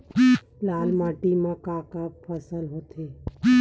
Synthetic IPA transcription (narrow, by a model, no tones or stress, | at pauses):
laːlmaːʈimãkaːkapʰəsəlɦoːt̪ʰeː